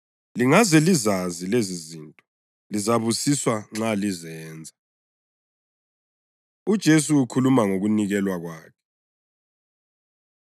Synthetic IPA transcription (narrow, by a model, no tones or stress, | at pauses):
liŋazɛlizazilezizintʼɔ | lizaβusiswaŋ͡ǁalizɛːnd͡zʱa | ud̥ʒ̥ʱes̬uːkʰulumaŋoɣuniɣɛlwaɣwaːkʰɛ̥